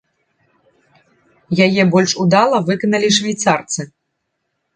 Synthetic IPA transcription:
jajɛbɔlʲʂud̪alˠɐvɨkɐnɐlʲiʂvʲajt̪sart̪sɨ

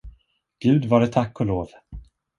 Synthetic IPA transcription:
ɡ̥ʉ̟ːd̪vaɖɛt̪ʰakːɔloːv

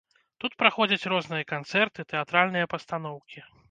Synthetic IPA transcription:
t̪ut̪pɾaxɔd͡zʲɐt͡sʲrɔznɨjɐkant̪sɛrt̪ɨt̪ɛat̪ɾalʲnɨjɐpɐst̪anɔwkʲi

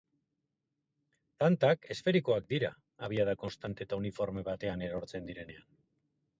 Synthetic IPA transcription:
t̪ant̪ake̞sfe̞ɾiko̞ak̚d̪iɾa̰ | aβ̞iað̞ako̞nst̪ant̪et̪aunifo̞ɾme̞β̞at̪e̞ane̞ɾo̞ɾt͡se̞nd̪iɾe̞ne̞an

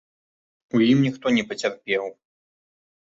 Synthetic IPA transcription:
ujimnʲixt̪ɔnʲɛpɐt͡sʲarpʲɛw

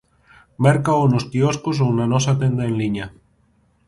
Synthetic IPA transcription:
mɛɾkaonost̪ioskos̬ownanɔs̬at̪end̪aenliɲa

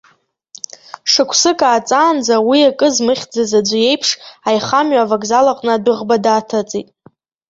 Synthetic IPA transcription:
ʂɨkʷʰsɨkʼaːt͡sʼaːnd͡zawiakʼɨzmɨχʲd͡zazad͡ʒʷɨje̞jpʰʂajχamɥavakʼzalaqʼnɨadʷɨʁbadaːtʰat͡sʼitʼ

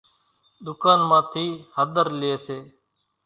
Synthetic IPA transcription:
ɗ̪ʊkaːnmãːt̪ʰiːhəd̪əɾlɪeːseː

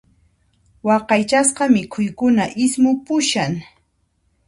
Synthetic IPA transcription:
wɑqɑjt͡ʃasqɑmɪkʰʊjkʊnaʔɪsmʊpʊʃaŋ

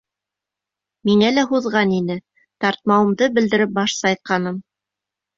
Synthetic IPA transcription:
miŋælæɦuðʁɑninɘ | t̪ɑɾt̪̚mɑwɤ̆md̪ɤbɘ̆ld̪ɘ̆ɾɘp̚bɑʃsɑjt̪̚qɑnɤm

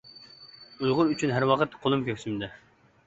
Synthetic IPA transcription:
ujʁʊɾyt͡ʃʰynɦæɾwɑqʰət̪qʰolˠumkʲøkʲsymd̪ɪ

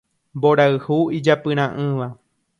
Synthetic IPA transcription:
mboɾaɨhuid͡ʒapɨɾ̃ãʔɨ̃ʋa

